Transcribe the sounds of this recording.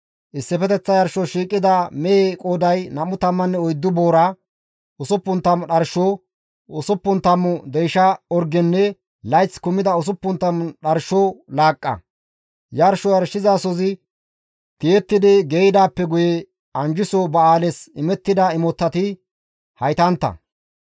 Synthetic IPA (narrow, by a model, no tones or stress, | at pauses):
ʔɪsːɪpɛt̪ɛt͡sːɐjɐɾʃɔʃiːkʼːɪd̪ɐmɛekʼoːd̪ɐjnɐmʊt̪ɐmːɐnːɛɔjd̪ːʊboːɾa | ʊsʊpːʊnt̪ːɐmɗɐɾʃoː | ʊsʊpːʊnt̪ːɐmʊd̪ɛjʃɐɔɾɡɛnːɛ | lɐjt͡sːkʊmːɪd̪ɐʊs̬ʊpːʊnt̪ːɐmɗɐɾʃoːlaːkʼːɐ̰ | jɐɾʃɔjɐɾʃɪzasɔzɪ | t̪ɪjɛt̪ːɪd̪ɪɡejd̪aːpːɛɡʊjɛ | ɐnd͡ʒɪsoːbɐaːlɛsɪmɛt̪ːɪd̪ɐɪmɔt̪ːɐt̪ɪ | hɐjt̪ɐnt̪ːɐ̰